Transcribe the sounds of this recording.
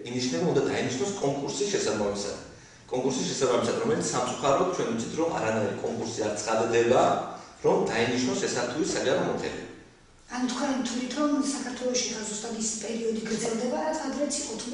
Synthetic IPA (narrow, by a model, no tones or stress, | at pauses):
iniʃnɛbund̪ad̪ainiʃnɔskʼɔŋkʼuɾsisʃɛsaamia̰̥ | kʼɔŋkʼuɾsisʃɛsabamisad̪ɾɔmɛlit̪ssamt̪sʼu̥χaɾɔt̪̚t͡ʃʰwɛnwit̪sʰi̥t̪ʰɾɔma̰ɾanaɾḭkʼɔŋkʼuɾsiaɾt̪sʼχʼad̪d̪ɛbaɾɔmd̪ainiʃnɔsɛsaɾt̪ʰuisad͡ʒaɾɔmɔt̪ʰɛ̰nɛ̰ | anut̪ʰkʰwaɾimt̪ʰlit̪ʰɔmsakʰaɾt̪ʰwɛlˠɔʃiɡazust̪ʼad̪isi̥pʼɛɾiɔd̪iɡɾd̪zɛlˠd̪ɛbaɾat̪ad̪ɾɛt̪sʰiqʼɔt̪ʰ